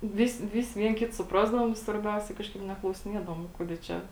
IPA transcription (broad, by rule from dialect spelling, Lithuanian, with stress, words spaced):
ˈʋʲɪsʲɪ ˈʋʲɪsʲɪ ˈʋʲiɛn ˈkʲɪt sʊˈprɑːzdɐʋoːm ɪ sʋɐrʲˈbʲɛʊsʲɛ ˈkɑːʃkɐɪp nʲɛklˠɐʊsʲɪˈnʲiɛdɐʋoːm ˈkuɔdʲeː ˈt͡ʃʲɛ